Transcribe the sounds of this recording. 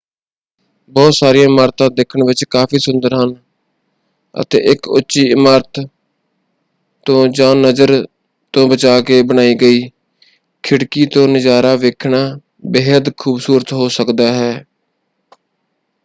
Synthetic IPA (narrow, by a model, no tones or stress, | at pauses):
bɔːt̪saːɾɪjãːmaːɾt̪ãːd̪eːkʰəɳʋɪt͡ʃkaːpʰiːsʊnd̪əɾɦən | ə̰t̪ḛːʔɪkʊtːʃiːɪmaːɾt̪ | t̪õːd͡ʒãːnəzəɾ | t̪õːbət͡ʃaːkeːbənaːiːɡəiː | kʰɪɽkiːt̪õːnɪzaːɾaːʋeːkʰnaː | beːɦəd̪kʰuːbsuːɾət̪ɦoːsəkd̪aːɦɛː